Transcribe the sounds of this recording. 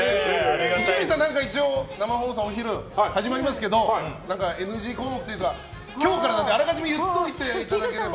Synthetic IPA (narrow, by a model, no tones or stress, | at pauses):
eit͡ɕais͈anaŋkait͡ɕ͈onamaɦos̬ʰʌoçiɾɯhad͡ʑimaɾimas̬ɯ̥k͈e̞donaŋkaenɯd͡ʑikʰokʰɯ̥t͈ɯɡa | kjoŋok͈ʰaɾanand̪eaɾakad͡ʑimijɯt̪͈ːoit̪͈ːeit͈ːanaɡeɯ